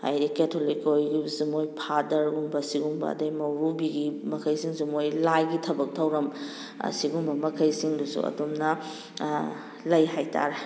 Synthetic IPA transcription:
ha̰jɾiketʰolikojɡisumojpʰadɐɾuŋbɐsiɡuŋbɐ̰ɐ̰dɐjmɐwɾubiɡimɐkʰɐjsiŋsumojlajɡitʰɐbɐk̚tʰɐwɾɐm̰ | siɡuŋbɐmɐkʰɐjsiŋdusṵɐ̰domnɐ | lɐjɦajtʰa̰ɾe

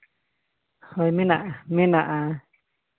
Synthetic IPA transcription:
hojmẽnaʔmẽnaʔa

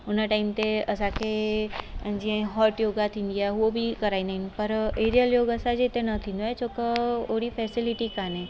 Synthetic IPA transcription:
ʊnəʈaːɪmt̪eəsãkʰe | d͡ʒiẽɦɔːɾʈjoːɡat̪ʰĩːn̆d̪iaɦeobʱikəɾaːĩnd̪aɦinpəɾeːɾijəljoːɡəsãd͡ʒet̪enɐt̪ʰĩːnd̪oaet͡ʃoːkəoɽifʰɛːsɪlɪʈikaːnẽ

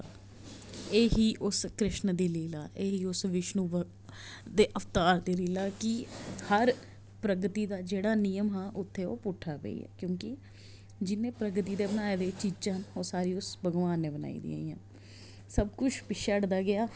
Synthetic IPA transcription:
eːɦiːʔʊskɾɪʃnd̪eːleːlaːʔeːɦiːʊsʋɪʃnũːʋə | d̪eːʔəft̪aːɾd̪eːliːlaːkɪhəɾ | pɾəɡt̪iːd̪aːd͡ʒeːɽaːniːjəmɦãːʔʊt̪ʰːeːo̰ːpʊʈʰaːpḛḭːɛ̰ːkjõːkɪ | d͡ʒɪnːẽːpɾəɡt̪iːd̪eːbənaːeːd̪eːt͡ʃid͡ʒanoːsaːɾiːʊsbəɡʋaːnːẽːbəna̰ːḭːd̪ḭːa̰ːiːã̰ː | səbkʊt͡ʃʰpɪʃəɽd̪aːɡɪaː

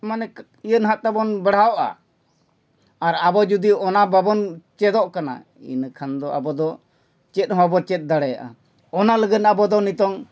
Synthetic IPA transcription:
manɛ | ijənɦat̪̚t̪abɔnbɛɽ̤awɔʔa̰ | aɾabɔd͡ʒud̪iɔnababɔnt͡ʃɛd̪ɔʔkana̰ | ḭnkʰand̪ɔa̰bɔd̪ɔ | t͡ʃɛt̪̚ˀɦɔ̃bɔt͡ʃɛt̪̚ˀd̪aɽɛjaʔa̰ | ɔnaləɡənabɔd̪ɔnit̪ɔŋ

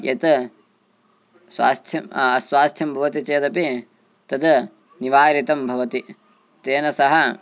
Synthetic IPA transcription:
jɐ̰t̪ɐ | swa̰ːst̪ʰjɐmɐsʋwaːst̪ʰjɐmbʱɐʋɐt̪it͡ʃeːt̪ɐpi | t̪ɐd̪ | niʋaːɾit̪ɐmbʱɐʋɐt̪i | t̪eːnɐsɐɦɐ

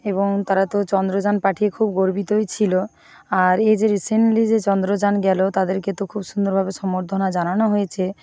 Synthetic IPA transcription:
eboŋt̪aɾat̪ot͡ɕɔnd̪ɾod͡ʑanpaʈʰiekʰubɡoɾbit̪ojt͡ɕʰilo | aɾed͡ʑeɾisenlid͡ʑet͡ɕɔnd̪ɾod͡ʑanɡɛlot̪ad̪eɾket̪okʰubʃund̪oɾbʱabeʃɔmoɾd̪ʰʱonad͡ʑananoɦojet͡ɕʰe

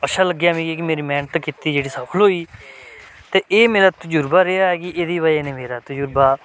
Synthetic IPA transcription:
əʃʰaːləɡːjaːmĩːɡeːkimeːɾiːmɛ̃ːnt̪ːkɪt̪iːd͡ʒeːɽiːsaːpʰəlɦoːiː | t̪eːʔeːmeːɾaːt̪ʊd͡ʒʊɾbaːɾeːaːɦɛːɡiːʔeːd̪iːβaːjeːnẽːmeːɾaːt̪ʊd͡ʒʊɾbaː

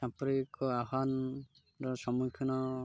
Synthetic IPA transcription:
sãpɾikɔaɦan | ɾɔsɔmukʰːɔnɔ

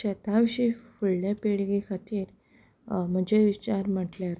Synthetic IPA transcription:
et̪aʋiɕifuɭljapeɭɡikʰat̪iːɾ | m̤əd͡ʑeʋit͡ɕaɾm̤əʈljaɾ

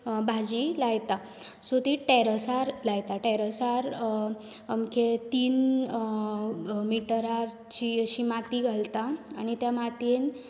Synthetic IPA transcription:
bʱad͡ʑilajt̪a | sot̪iʈɛɾəsaɾlajt̪aʈɛɾəsaɾ | amket̪iːn | miʈəɾaɾ | t͡ɕiəɕimat̪iɡʱalt̪aːñit̪jamat̪en

